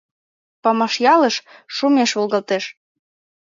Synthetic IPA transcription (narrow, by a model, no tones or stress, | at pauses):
pɑmɑʃjɑləʃʃumeʃβolˠɣɑlt̪eʃ